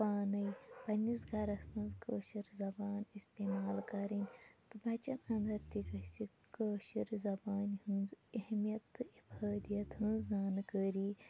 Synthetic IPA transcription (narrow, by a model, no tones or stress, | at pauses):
paːnɐjpɐnʲːisɡʱɐɾɐsmɐnzkəːʃiɾzɐbaːnist̪eːmaːlkɐɾinʲt̪ɨbʱɐt͡ʃɐnɐ̃nd̪ɐɾt̪ikɐsi | kəːʃiɾzɐbaːnhũnzɐhmijɐt̪ːɨibaːd̪ijɐt̪ɦɨ̃ːzaːnkəːɾiː